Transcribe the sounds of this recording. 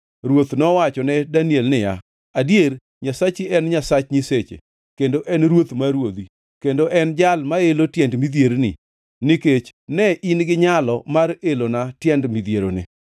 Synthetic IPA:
ɾwot̪nɔwat͡ʃɔnɛdaniɛlnɪja̰ | adjer | ɲasat͡ʃiɛnɲasat͡ʃɲɪset͡ʃḛ | kendoʔɛnɾwot̪maɾwod̪i | kendoʔɛnd͡ʒalmaelotjɛndmid̪jeɾnɪ̰ | nɪket͡ʃnɛʔinɡɪɲalɔmarelonatjɛndmid̪jeɾonɪ̰

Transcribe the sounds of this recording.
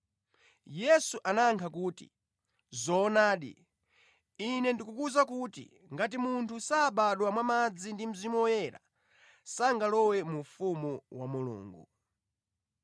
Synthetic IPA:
jɛsuʔanaŋkʰakuːtḭ | zɔːnaːɗḭ | inɛndikukuzakutḭ | ŋɡat̬imuntʰusaːɓaɗwamwamad͡zindim̩zimuɔjɛɾa̰ | saŋɡalɔwɛmufumuwamulṵːŋɡu

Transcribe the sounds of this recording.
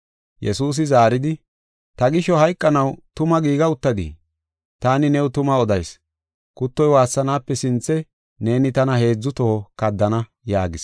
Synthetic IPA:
jɛsuːs̬ɪzaːɾɪd̪ɪ | t̪ɐɡɪʃɔhɐjkʼːɐnɐwt̪ʊmɐɡiːɡɐʊt̪ːɐd̪ḭ | t̪aːnɪnɛwt̪ʊmɐɔd̪ɐjs | kʊt̪ːɔjwaːsːɐnaːpːɛsɪnt͡sːɛ | ne̞ːnɪt̪ɐnɐhe̞ːd͡zːʊt̪ɔhɔkɐd̪ːɐnɐ | jaːɡɪs

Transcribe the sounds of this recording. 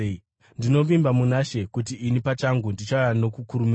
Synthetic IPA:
ndino̞ʋimbamunaʃe̞kutiːnipat͡ʃaŋɡundit͡ʃaajano̞kukuɾum

